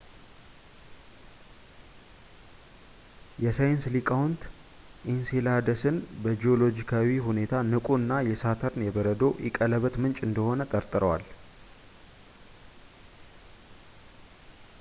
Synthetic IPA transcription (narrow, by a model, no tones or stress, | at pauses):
jɛsajɪnslikʼawnt̪ | ʔinselad̪əsɨnbəd͡ʒio̞lo̞d͡ʒikʰawiɦune̞t̪ʰanɨkʼuɨnːajɛsat̪ʰəɾnjɛbəɾəd̪o̞ʔɪ̰kʼələβət̪mɨnt͡ʃʼɨnd̪əho̞nət̪ʼəɾt̪ʼɨɾəwa̰l